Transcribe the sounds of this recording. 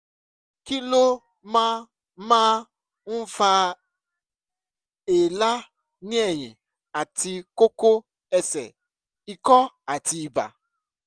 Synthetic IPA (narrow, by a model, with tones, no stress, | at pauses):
ki˦lo˦ | ma˦ | ma˦ | m̩˦fa˦ | e˨la˦ | nɪ˦e˨ɲɪ̰˨ | a˨tɪ˨ko˦ko˦ | e˦sḛ˨ | i˨kɔ˦ | a˨ti˨˦ba̰˨